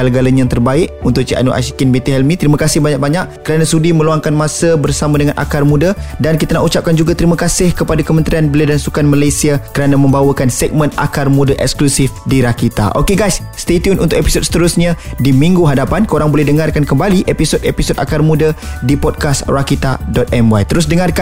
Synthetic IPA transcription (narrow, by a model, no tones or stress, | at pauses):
ɡalaɡalaɲat̪ərbaɪʔunt̪ʊʔ̚t͡ʃiʔa̰nuʔa̰ʃikinbet̪iɦɛlmĩt̪əɾimãkasɪhbaɲak̚baɲaʔkəɾanãsudimə̃luaŋkanmãsabərsamãdəŋãnʔa̰karmudadankit̪anaʔut͡ʃap̚kand͡ʒuɡat̪əɾimakasɪhkəpadakəmənt̪ɾianbəladansukanmalajsiakəɾanamə̃mbawəkansɛɡ̚mə̃na̰karmũdaʔɛ̰ksklusifdiɾakit̪a̰ʔokeɡajs | st̪et̪iunʔṵnt̪ʊʔkepi̥sot̪̚sə̥t̪əɾʊsɲãdimĩŋɡuɦadapankəoɾaŋbolɛhdəŋarkankəmbaliʔepisotepisoda̰karmũdadipɔd̚kasrakit̪a̰dɔt̪̚ɛmwajt̪əɾʊs̬dəŋarka